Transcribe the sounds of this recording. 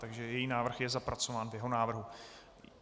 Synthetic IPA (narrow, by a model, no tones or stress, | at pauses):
t̪aɡʒɛjɛjiːnaːvr̩xjɛzapɾat͡so̞vaːnvjɛɦo̞naːvr̩ɦu